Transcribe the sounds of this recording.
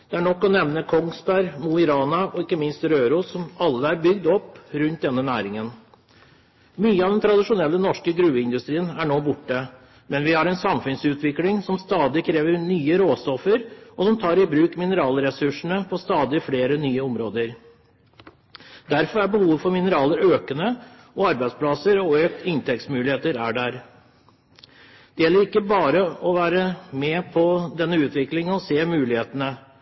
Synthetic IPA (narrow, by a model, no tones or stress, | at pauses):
d̪̥ɛæɳɔkːɔnɛʋnəkʰɔŋst̪æɾmuɪɾɑːnɑʔɔɪkːəmɪnst̪ɾøːɾʊsɔmɑlːəæɾbʏɡd̪ɔpːɾʉnt̪̚d̪ɛnːənæːɾɪŋən | myːəɑʋd̪ɛnt̪ʰɾɑd̪ɪʂʊnɛlːənɔʂkəɡɾʉːəɪnd̪ʉst̪ɾiːənæɳoːbʊʈːə | mɛnʋɪhɑɾɛnsɑmfʉnsʉːt̪ʰʋɪklɪŋsɔmst̪ɑːd̪ɪkʰɾeːʋəɾnyːəɾoːst̪ɔfəɾɔsɔmt̪ʰɑːɾɪbɾʉːkmɪnəɾɑːlɾɛsʉʂɳ̩əpʰɔst̪ɑːd̪ɪfleːɾənyːəɔmɾoːd̪əɾ | d̪æɾfɔɾæbəhuːʋfɔɾmɪnəɾɑːləɾøːkənə | ɔɑɾbæɪd̪spʰlɑsəɾɔøːk̚t̪ɪnt̪ʰɛkt̪smʉːlɪheːt̪əɾæɖæɾ | d̪̥ɛjɛlːəɾɪkːəbɑːɾəɔʋæːɾəmɛpʰɔd̪ɛnːəʉːt̪ʰʋɪklɪŋɔseːmʉːlɪheːt̪ənə